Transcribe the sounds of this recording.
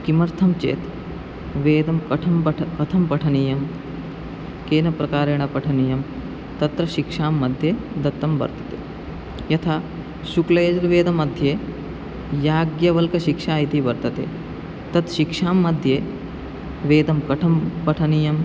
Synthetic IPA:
kimɐɾt̪ʰɐmt͡ʃḛːt̪ | ʋeːd̪ɐmkɐʈʰɐmpɐkɐt̪ʰɐmpɐʈʰɐnijɐm | keːnɐpɾɐkaːɾeːɳɐpɐʈʰɐnijɐm | t̪ɐt̪ɾɐʃikʂaːmːɐd̪ʱjeːd̪ɐt̪ːɐmbɐ̰ɾt̪ɐ̥t̪eː | jɐt̪ʰaː | ʃuklɐjɐd͡ʒɾɐʋeːd̪ɐmɐd̪ʱjeː | jaːɡjɐʋɐlkɐʃikʂaːjit̪ibɐɾt̪ɐt̪ḛː | t̪ɐt̪ʃikʂaːmːɐd̪ʱjeː | ʋeːd̪ɐmkɐʈʰɐmpɐʈʰɐnijɐm

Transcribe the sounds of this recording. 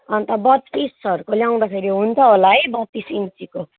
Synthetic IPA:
ʌnt̪ʌbʌt̪ːisʌɾukoljaw̃d̪apʰeɾiɦunt̪ʰʌɦolaʌjbʌt̪ːisint͡siko

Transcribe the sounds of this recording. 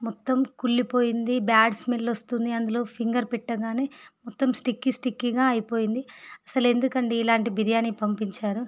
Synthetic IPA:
mɔt̪ːɐmkuɭːipo̞ːjind̪ibaːɖsmiːlɐlost̪und̪iɐnd̪ulo̞ːpʰiŋɡɐɾpɛʈːɐɡaːne̞ːmɔt̪ːɐmsʈikːisʈikːiɡaːɐjipoːjind̪iɐsɐle̞nd̪ukɐɳɖiːlaːɳʈibiɾijaːnipɐmpiɲt͡ʃaːɾu

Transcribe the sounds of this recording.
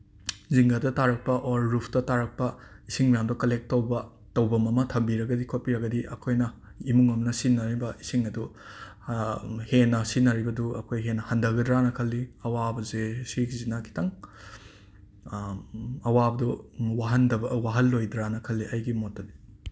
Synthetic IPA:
ziŋɡadɐtaɾɐk̚pɐʔoɾːupʰtɐtaɾɐk̚pɐisiŋmɐjamdɐkɐlek̚tɐwbɐ | tɐwbɐmɐmɐtʰɐmbiɾɐɡɐdikʰopiɾɐɡɐdiʔɐkʰojnɐimuŋɐmnɐsinːɐɾibɐisiŋɐdu | henːɐsinɐɾibɐduɐkʰojɦenːɐhɐndɐɡɐdɾanɐkʰɐlːiɐwabɐzesiɡizinakʰi̥tɐŋ | ɐwabɐduwaɦɐndɐbɐwaɦɐlːojdɾanɐkʰɐlːiʔɐjɡimotɐli

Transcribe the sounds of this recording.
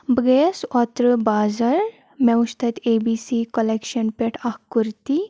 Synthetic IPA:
bəɡesɔt̪ɾəbaːzɐɾ | mewust̪ʰɐt̪ebisikɔlekʃɐnpeʈʰahkuɾt̪i

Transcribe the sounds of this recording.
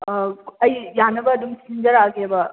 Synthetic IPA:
ɐjjanɐbɐːd̪umsind͡ʒɐɾaɡeebɐ

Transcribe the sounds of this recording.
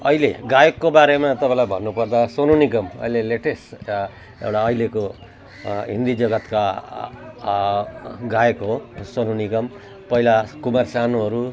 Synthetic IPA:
ʌ̰ileɡajekːobaɾemat̪ʌpãlajbʱʌnːupʌrd̪asonunikʌmʌ̰ileleʈes | ḛwʈaʌjleko | ɦḭnd̪id͡zʌɡʌt̪ka | ɡajekɦosonunikʌm | pʌɦilakumarsanoɦʌɾu

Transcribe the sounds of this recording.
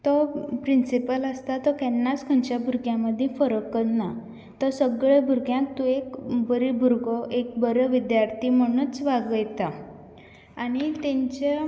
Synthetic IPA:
t̪ɔpɾinsipələst̪at̪ɔkɛnːat͡skʰə̃nt͡ɕjabʱuɾɡjãməd̪ʱːjẽfəɾəkːət̪na | t̪əsəɡɭebʱuɾkjãk̚t̪uekbəɾibʱuɾɡɔʔek̚bəɾəʋid̪jaɾt̪ʰim̤əɽ̃ət͡sʋaɡəjt̪a | aɽ̃it̪ẽɲt͡ɕe

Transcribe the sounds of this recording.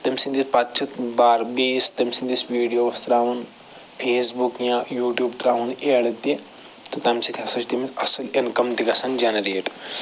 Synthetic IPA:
t̪ɐmʲsind̪ispɐtt͡ʃʰit̪baːɾbiːst̪ɐmsind̪isʋiːɖijoːʋɐst̪ɾaːʋɐn | pʰeːsbukjãːjuːʈjuːbt̪ɾaːʋɐneːɽɐt̪ːi | t̪ɨt̪ɐmsit̪ʰiɐsɐt͡ʃʰt̪imit͡sɐsɐlinkɐmt̪ikɐsɐnd͡ʒɐnɐɾeːʈ

